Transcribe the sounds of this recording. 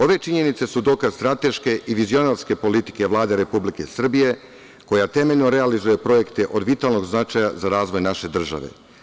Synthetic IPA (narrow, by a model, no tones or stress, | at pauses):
o̞ʋe̞t͡ʃiɲe̞nit̪se̞sud̪o̞kazst̪ɾat̪e̞ʃke̞ʔiʋizio̞naɾske̞po̞lit̪i̥ke̞ʋlˠaːd̪eɾe̞publike̞sr̩bije̞ | ko̞jat̪e̞me̞ʎno̞ɾe̞alizujepɾo̞je̞kt̪e̞ʔo̞d̪ʋit̪alno̞ɡznat͡ʃajazaɾaːzʋo̞jnaʃe̞d̪r̩ʒa̰ʋḛ